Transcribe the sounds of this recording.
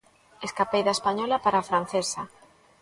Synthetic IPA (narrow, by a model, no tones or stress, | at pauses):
eskapejðaespaɲɔlapaɾaːfɾan̟θesa